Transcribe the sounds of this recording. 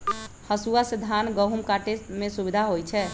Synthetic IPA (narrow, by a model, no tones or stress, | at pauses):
həsuasid̪ʱanɡəɦumkaʈesʈmesubid̪ʱaɦojt͡ʃʰɛ